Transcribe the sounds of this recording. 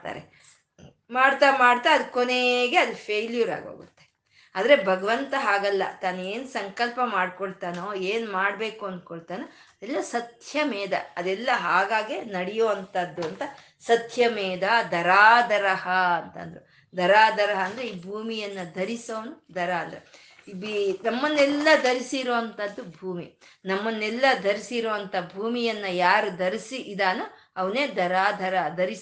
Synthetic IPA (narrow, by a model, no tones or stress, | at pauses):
t̪a̰ːɾḛ | maːɽt̪amaːɽt̪aɐd̪ukoneɡeɐd̪upʰeːlijɐɾa̰ːɡo̰ːɡṵt̪ːe | aːd̪ɐɾe̞bʱɐɡɐʋɐnt̪ɐɦaːɡɐlːɐ̰t̪aːnueːnsɐŋkɐlpɐmaːɽkoɭt̪aːnoːeːnmaːɽbe̞ːkuɐnd̪̚koɭt̪aːno | ɐd̪ɛlːɐsɐt̪jɐmɛːd̪ɐ̰ɐd̪ɛlːɐɦaːɡaːɡenɐɽijoːɐnt̪ɐd̪ːuɐnt̪ɐ | sɐt̪ʰjɐmɛːd̪ɐd̪ʱɐɾaːd̪ʱɐɾɐɦɐɐnt̪ɐ̰nd̪ɐɾe | d̪ʱɐɾaːd̪ʱɐɾɐɦɐːnd̪ɐɾeiːbʱuːmijɐnːɐd̪ʱɐɾisɐʋɐnud̪ʱɐɾaɐnd̪ɐɾe | binɐmːɐnːɛlːɐd̪ɐɾisiɾoːʋɐnt̪ɐd̪ːubʱuːmi | nɐmːɐnːɛlːɐd̪ʱɐɾisiɾoːɐnt̪ʰɐbʱuːmijɐnːɐjaːɾud̪ɐɾisiʔid̪aːnu | ɐʋɐneːd̪ɐɾaːd̪ʱɐɾɐɐd̪ɐɾis